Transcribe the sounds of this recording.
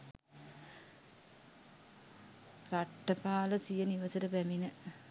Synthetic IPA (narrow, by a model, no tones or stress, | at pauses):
raʈːɐpaːləsijəniʋɐsəɾəpæminə